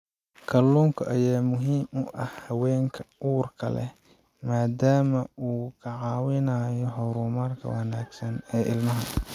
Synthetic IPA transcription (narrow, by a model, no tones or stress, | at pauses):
kʰɐluːŋkʰɐʔɐjaːmʊɦiːmʔʊʔɐhhɐwɛːŋkʰɐuːrkʰɐlɛ̰ | maːd̪aːmɐʔuːkʰɐʕɑːwɪnaːjɔɦɔɾuːmɐrkʰɐ̰wɐnaːɡsɐnɛːʔɪlmɐɦɐ